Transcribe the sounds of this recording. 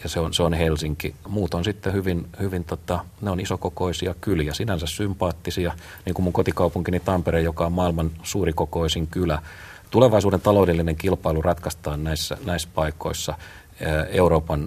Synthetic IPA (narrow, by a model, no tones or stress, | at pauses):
jɑseonseonhelsiŋkimuːt̪onsit̪ːehyʋinhyʋint̪ot̪ɑ | neonisokokoisiɑkyljæsinænsæssympɑːt̪ːisiɑ | niːŋkumuŋkot̪ikɑupuŋkinit̪ɑmpeɾeːjokɑommɑːilmɑnsuːrikokoisiŋkylæ | t̪uleʋɑisuːdent̪ɑloudelːineŋkilpɑilurɑt̪kɑst̪ɑːnnæisːæ̰næispɑiko̰isːɑ | ḛuroːpɑn